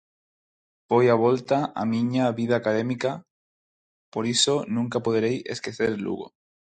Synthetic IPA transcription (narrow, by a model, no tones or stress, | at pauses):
bojaβ̞olt̪aa̰mĩɲaβiðaːkaðemika | poɾisonũŋkapoð̞eɾejeskeθeɾlṵɣo̰